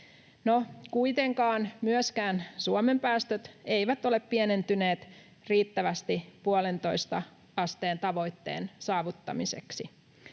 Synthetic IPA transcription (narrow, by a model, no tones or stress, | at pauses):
nokujt̪eŋkɑːnmyøskæːnsuome̞mpæːst̪øt̪e̞jʋæt̪o̞le̞ppiene̞nt̪yne̞ːt̪ | riːt̪ːæʋæst̪ipuole̞nt̪o̞jst̪ɑ̰ | ɑst̪e̞ːnt̪ɑʋo̞jt̪ːe̞̰ːnsɑːʋut̪ːɑ̰mise̞̰ksi